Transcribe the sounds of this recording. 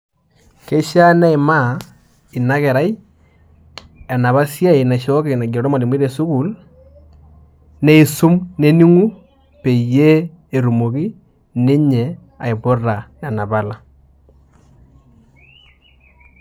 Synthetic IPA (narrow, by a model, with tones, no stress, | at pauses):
ke˦ʃa˦na˦i˨ma˦ | i˨na˦kɛ˨ɾa˦i˦ | ɛ˨na˨βa˦sja˦i˨na˨ʃɔ˦kɪ˨na˨ɡɔ˨ɾɔ˦ma˨ni˨m˦i˦ɾe˨su˦ku˨l | ne˦i˨su˦mne˦ni˦ŋu˦ | pe˨je˦ | e˨ɾu˨mo˨ki˦ | ne˦ɲɛ˨ | a˨i˨bo˦ra˨nɛ˨na˨ba˦la˦